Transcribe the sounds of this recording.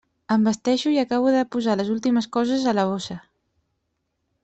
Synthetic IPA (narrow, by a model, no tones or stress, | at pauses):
əmbəst̪ɛʃuiəkaβ̞uðəpuzaləzulˠt̪iməskɔzəzələβ̞osə